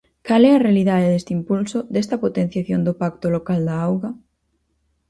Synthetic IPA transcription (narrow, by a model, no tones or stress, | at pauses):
kalɛɐrealiðaðeðest̪impulsod̪est̪ɐpot̪ẽn̟θjaθjond̪opak̚t̪olokald̪ɐawɣɐ